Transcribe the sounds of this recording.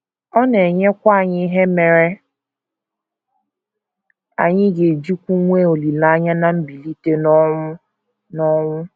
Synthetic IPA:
ɔ˦ne˨ɲe˦kʷa˦a˨ɲɪ˦ɦe˦me˨ɾe˦ | a̰˨ɲɪ˦ɡe˨d͡ʒi˦kʷu˦ŋʷe˦o˨li˨la˦ɲa˦na˨m̩˦bi˨li˦te˦nɔ˦ʊ˦ | nɔ˦ŋʷʊ˦

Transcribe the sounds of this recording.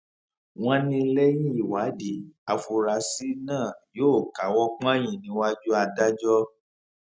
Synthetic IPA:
w̃ɔ̃˦nĩ˧˦lɛ˦j̃ĩ˦i˦˨wa˨˦di˨a˨fu˧ɾa˨˦si˦nãː˦˨joː˦˨ka˨˦wɔ˦k͡pã˦jĩ˨nĩ˨˦wa˦d͡ʒu˦a˧da˦d͡ʒɔ˦

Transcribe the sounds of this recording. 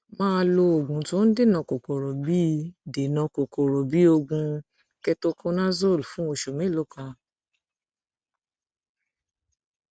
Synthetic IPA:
mãː˦˧lo˧o˨ɡũ˨tõ˨˦n̩˦de˦nɔ̃˧˨ko˨ko˨ɾo˨bi˦de˨nɔ̃˧ko˨ko˨ɾo˨bi˨˦o˧ɡũ˧ | kɛ˧to˧kʰõ˦nã˦zo˦˨lfũ˨˦o˧˨ʃo˨mĩ˨˦lo˦kã˧

